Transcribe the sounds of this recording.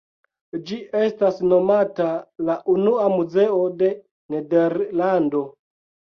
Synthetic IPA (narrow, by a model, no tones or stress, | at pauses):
d͡ʒiʔestasno̞matalaʔunuamuzeode̞ | nedeɾlando̞